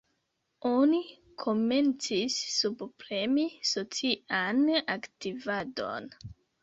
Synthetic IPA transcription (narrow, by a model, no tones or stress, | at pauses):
o̞ni | kʰo̞me̞nt͡sisːubpɾe̞miso̞t͡siʔanaktivado̞̰n